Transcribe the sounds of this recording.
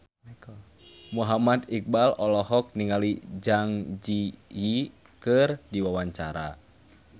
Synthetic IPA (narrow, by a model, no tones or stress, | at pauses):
muɦamat̪ik̚balɔlɔɦɔk̚niŋalid͡ʒaŋd͡ʒiji | kɨrdiwawaɲt͡ʃaɾa